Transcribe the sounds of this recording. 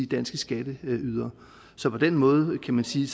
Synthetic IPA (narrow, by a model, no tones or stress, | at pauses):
id̥ænsɡ̥əsɡ̥æd̥əyð̞ˠɐ | sɒ̽pʰɒ̽d̥enmɔ̽ːð̞̩ˠkʰæmænsiːs